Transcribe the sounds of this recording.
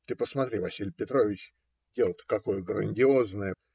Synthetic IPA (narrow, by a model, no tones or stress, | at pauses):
t̪ɨpəsmɐt̪ɾʲivɐsʲilʲpʲɪt̪ɾo̞vʲɪt͡ɕ | dʲe̞lˠt̪kɐko̞jəɡɾənʲdʲɪo̞znəjə